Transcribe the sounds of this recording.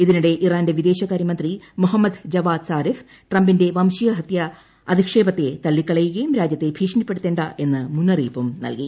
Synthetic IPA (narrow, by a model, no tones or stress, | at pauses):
iðinuɽe̞ʔiraːnnde̞ʋid̪e̞ːɕɐɣaːɾjimɐnd̪rimuɦɐmːɐd̪d͡ʑɐʋaːd̪saːɾif | ʈrɐmbinde̞ʋɐmɕijɐɦɐt̪jɐ | ɐd̪ʱikʂe̞ːbɐt̪ːe̞t̪ɐlːikːɐɭɐjuɣɐjumɾaːd͡ʑjɐt̪ːe̞bʱiːʂɐnipːe̞ɽut̪ːeːɳɖɐʔe̞nːɨmunːɐrḭːpɐmnɐ̰lki